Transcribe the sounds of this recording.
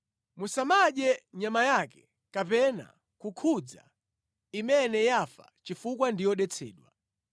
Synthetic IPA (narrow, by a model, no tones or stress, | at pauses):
musamaɗɛɲamajakɛ̥ | kapɛna̰ | kukʰud͡za̰ | imɛnɛjafa̰t͡ʃifukwandijɔɗɛt͡sʰɛ̰ːɗwa̰